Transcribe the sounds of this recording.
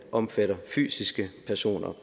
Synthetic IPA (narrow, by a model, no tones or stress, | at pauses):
ʔɒ̽mfæɾɐfy̰ːsisɡ̥əpʰæɐso̝̰ːnɐ̰